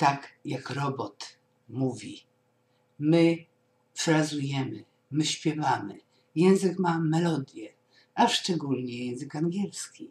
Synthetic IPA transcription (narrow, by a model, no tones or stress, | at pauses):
t̪akjakɾɔbɔt̪ | muvʲi | mɘ | fɾazujɛmɘ | mɘɕpʲjɛvamɘ̰ | jɛ̃w̃zɘkmamɛlɔd̪jɛ | aʂt͡ʂɛɡulɲɛjɛ̃w̃zɘkaŋɡʲjɛlskʲi